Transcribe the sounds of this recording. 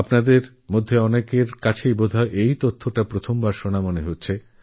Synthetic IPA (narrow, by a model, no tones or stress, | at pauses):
apnad̪eɾ | mod̪ʱːeɔnekeɾkat͡ɕʰejbod̪ʱaeʔejt̪ot̪ʰːoʈapɾot̪ʰombaɾʃonamoneɦotːɕʰe